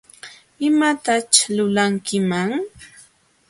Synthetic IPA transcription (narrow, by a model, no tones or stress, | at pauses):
ɪmat̪at͡ʃlʊlaŋkɪmaŋ